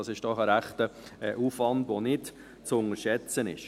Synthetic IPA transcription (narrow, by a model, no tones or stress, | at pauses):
ɑsɪʃd̥ɔχəɾæχtəʔuːfʋɑndʋonɪt | t͡sʊŋəɾʃɛt͡sənɪ̰ʃ